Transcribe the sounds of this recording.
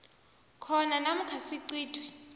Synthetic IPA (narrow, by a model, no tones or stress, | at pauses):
kʰɔnanam̩kʰasiǀiːd̥ʱwɛ